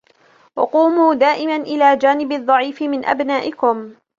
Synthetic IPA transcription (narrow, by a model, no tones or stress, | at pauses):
wɑ̰quːmuːd̪aːʔɪmanʔɪlaːd͡ʒaːnɪbɑðˤːɑʕiːfɪmɪnʔa̰bnaːʔɪkʊm